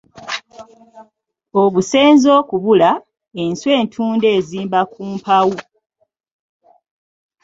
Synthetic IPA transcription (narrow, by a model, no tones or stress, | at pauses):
o̞βuse̞ːnzoːkuβula | enswe̞ːntʰuːnde̞ːziːmbakʰuːmpawu